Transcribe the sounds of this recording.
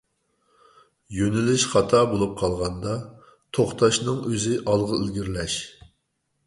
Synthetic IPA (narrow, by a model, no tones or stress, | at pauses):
jønɪlɪʃχɑt̪ʰɑbolˠup̚qʰɑlˠʁɑnd̪ɑ | t̪ʰoχt̪ʰɑʃnɨŋøzɪʔɑlˠʁəilɡʲiɾlɛʃ